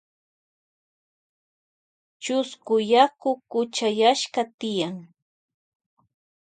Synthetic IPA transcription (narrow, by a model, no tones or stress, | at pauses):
t͡ʃʊskʊjakʊkʊt͡ʃajaʃkat̪ɪjaŋ